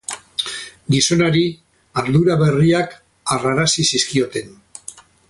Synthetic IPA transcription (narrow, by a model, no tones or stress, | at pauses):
ɡiso̞naɾi | aɾðuɾaβe̞riak | araɾasisiskio̞t̪e̞n